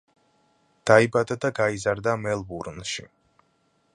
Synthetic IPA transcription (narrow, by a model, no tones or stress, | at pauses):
d̪̥aibad̪ad̪aɡaizaɾd̪amɛlˠbuɾnʃḭ